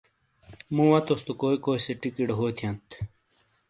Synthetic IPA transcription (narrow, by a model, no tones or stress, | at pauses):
mũwɐt̪ost̪ukoːikoːiseʈikiɖɦoːt̪ʰijɐ̃nt̪ʰ